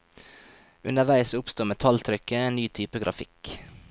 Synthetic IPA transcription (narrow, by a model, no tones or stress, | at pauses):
ʉ̰nəʋæɪsʊpst̪uːmɛt̪ʰɑlt̪ʰɾʏkəeːnnyːt̪ʰyːpəɡɾʔɑ̰fɪk